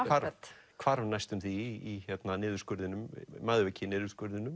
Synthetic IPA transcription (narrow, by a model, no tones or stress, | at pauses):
vaɾkʰvaɾvnajst̪ʏmθiːçɛt̪nanɪːðʏɾ̥skʏɾðɪnʏmmaːðvɛcɪnɪːðʏɾskœɾðɪnʏm